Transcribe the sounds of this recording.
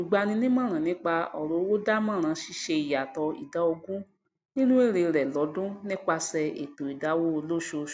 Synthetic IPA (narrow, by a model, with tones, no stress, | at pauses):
ũ˨ɡ͡ba˧nĩ˧nĩ˦mã˦˨ɾ̃ã˨nĩ˦k͡pa˧ɔ˨ɾo˨˦wo˦da˦mã˦˨ɾ̃ã˨˧˦ʃi˧ʃe˧i˨ja˨tɔ˧ḭ˨da˨˧˦o˧ɡũ˦ | nĩ˦nũ˦e˦˨ɾe˧ɾɛ˨lɔ˨˦dũ˦nĩ˦k͡pa˧sɛ˧ḛ˨to˨i˨da˨˦wo˦o˧lo˦ʃo˧˨